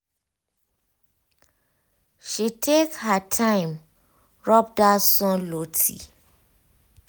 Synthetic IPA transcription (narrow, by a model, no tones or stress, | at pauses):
ʃitʰekhətʰãɪ̃m | ɹɔp̚dasɔ̃lotʰḭ